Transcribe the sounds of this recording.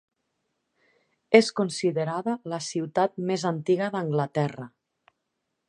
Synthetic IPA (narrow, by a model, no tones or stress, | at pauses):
eskunsiðəɾaðələsiwt̪at̪̚mezant̪iɣəðəŋɡlət̪ɛrə